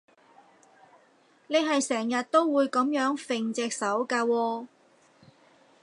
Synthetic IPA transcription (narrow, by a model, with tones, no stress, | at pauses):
ne˨˧jɦɐ˨jsɛː˨˩ŋjɐ˨t̚t̪o˥wwuː˨˧jkɐ˨˥mjœː˨˥ŋfɪ˨ŋt͡sɛː˨k̚sɐ˨˥wkaː˧wɔː˧